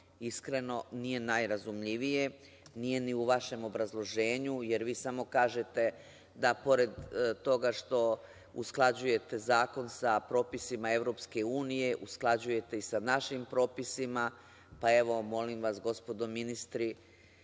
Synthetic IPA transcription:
iskɾe̞no̞nije̞najɾazumʎiʋije̞ | nije̞niuʋaʃe̞mo̞bɾazlˠo̞ʒe̞ːɲuje̞ɾʋiːsamo̞kaːʒe̞t̪e̞ | d̪apo̞ɾe̞d̪t̪o̞ɡaʃt̪o̞ | usklˠad͡ʑuje̞t̪e̞zaːko̞nsapɾo̞ːpisimae̞ʋɾo̞pske̞uːnije̞ʔusklˠad͡ʑuje̞t̪e̞isanaʃimpɾo̞ːpisima | pae̞ʋo̞mo̞limʋasɡo̞spo̞d̪o̞minist̪ɾi

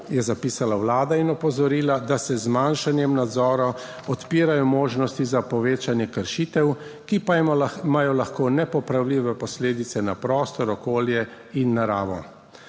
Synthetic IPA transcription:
jɛzapiːsalawlaːd̪ainɔpɔzɔɾiːlad̪asɛzmanʃanjɛmnad̪zɔːɾa | ɔt̪piːɾajɔmoːʒnɔst̪izapɔʋeːt͡ʃanjɛkəɾʃiːt̪ɛwkipamaːjɔlaxkoːnɛpɔpɾawliːʋɛpɔsleːd̪it̪sɛnapɾɔːst̪ɔɾɔkoːljɛ | inːaɾaːʋɔ̰

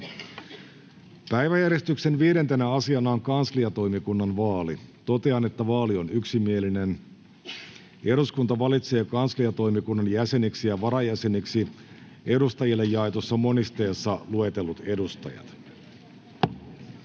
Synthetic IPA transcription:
pæjʋæjærje̞st̪ykse̞nʋiːɾe̞nt̪enæɑsiɑnɑoŋkɑnsliɑt̪o̞jmikunːɑnʋɑːlit̪o̞t̪e̞ɑne̞t̪ːæʋɑːlionyksimieline̞n | eɾuskunt̪ɑʋɑlit̪se̞ːkɑnsliɑt̪o̞jmikunːɑnjæse̞niksijɑʋɑɾɑjæse̞niksi | ʔe̞dust̪ɑjilːejːɑet̪osːɑmo̞nist̪e̞ːsːɑlue̞t̪e̞lːut̪e̞dust̪ɑ̰jɑ̰t̪

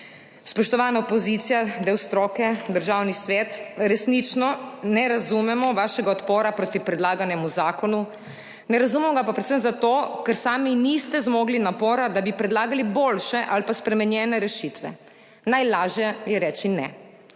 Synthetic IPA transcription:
spɔʃt̪ɔʋaːnaɔpɔzit̪sijad̪ɛwst̪ɾoːkɛd̪əɾʒaːwnisʋɛt̪ɾɛsnit͡ʃnɔnɛɾazumɛmɔʋaːʃɛɡaɔt̪poːɾapɾoːt̪ipɾɛd̪laːɡanjɛmuzaːkɔnu | nɛɾazumɛmɔɡapapɾɛt̪səmzat̪oːkɛɾsaːminist̪ɛzmoːɡlinapoːɾad̪abipɾɛd̪laːɡaliboːlʃɛʔalpaspɾɛmɛnjɛːnɛɾɛʃit̪ʋɛ̰ | najlaːʒjɛjɛɾɛːt͡ʃinɛ̰

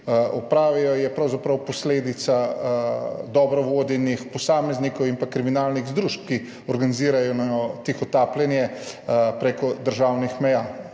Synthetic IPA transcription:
ɔpɾaːʋijɔjɛpɾɐwzapɾɐwpɔsleːd̪it̪sa | d̪ɔbɾɔʋoːd̪jɛnixpɔsaːmɛznikɔwimpakɾiminaːlniɣzd̪ɾuʃp̚ki | ɔɾɡaniziːɾajɔnaɔt̪ixɔt̪aːplɛnjɛpɾekɔd̪əɾʒaːwnixmɛjaː

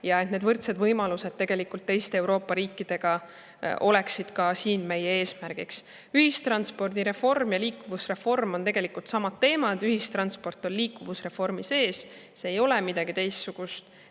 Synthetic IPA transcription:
jɑe̞t̪ne̞d̪vɤrt̪se̞d̪vɤjmɑluse̞d̪̚t̪e̞ɡ̥e̞likːˑult̪ːe̞jst̪e̞ewɾo̞ːpːˑɑɾiːkˑːid̪̥e̞ɡ̥ɑ | ʔo̞̰le̞ksid̪̥kɑsiːnme̞jee̞ːsmæɾɡ̥iks | yhist̪rɑnspo̞rd̪iɾe̞fo̞rmjɑliːkːˑuvusre̞fo̞rmo̞nt̪e̞ɡ̥e̞likˑult̪sɑmɑt̪t̪ːe̞ːmɑd̪yɦist̪rɑnspo̞rt̪ːˑo̞nliːkːˑuvusre̞fo̞rmise̞ːsseːjo̞lɛmid̪̥ɑɡ̥it̪e̞jst̪suɡ̥ust̪

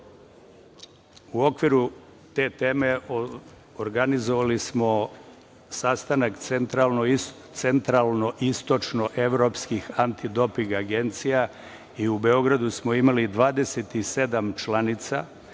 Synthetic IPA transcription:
uo̞kʋiɾu | t̪e̞t̪e̞ːme̞ | oɾɡanizoʋalismo̞ | sast̪anakent̪ɾalˠno | t̪sent̪ɾalˠno̞ʔist̪o̞t͡ʃno̞ʔe̞ʋɾo̞pskixant̪id̪o̞piŋɡaɡe̞nt̪sija | iube̞o̞ɡɾad̪usmo̞imalid̪ʋaːd̪e̞se̞t̪ise̞d̪amt͡ʃlanit̪sa̰

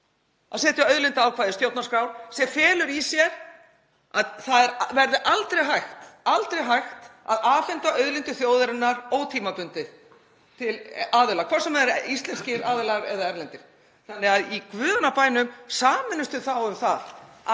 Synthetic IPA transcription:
aðsɛːt̪jaœɥðlɪnt̪ɪaːwkʰvaːðɪst̪jowt̪naskɾawɾsjɛfɛːlʏɾisjɛɾ | aðθaðɛɾvɛɾðɪʔalt̪ɾejɦajxt̪alt̪ɾejɦajxt̪a̰ðaːfɪnt̪aœðlɪnt̪ʏθjoːwðɛɾɪnːaɾowt̪ʰiːmapʏnt̪ɪð | t̪ʰɪlaːðʏlakʰvɔrsɛmɛɾist̪lɛnscɪɾaːðʏlaɾɛðaɛɾlɛnt̪ɪɾ̥ | θanːɪɣaðikvʏːðanapaːjnʏmsaːmɪnʏst̪ɪθawɛθað

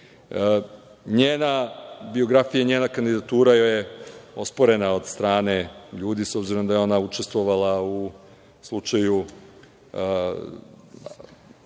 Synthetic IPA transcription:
ɲeːnabio̞ɡɾafijaɲeːnakand̪id̪at̪uːɾajojeo̞spo̞ɾe̞nao̞d̪st̪ɾaːne̞ʎuːd̪iso̞bziɾo̞md̪ajeo̞naut͡ʃe̞st̪ʋo̞ʋalˠau | slˠut͡ʃaju

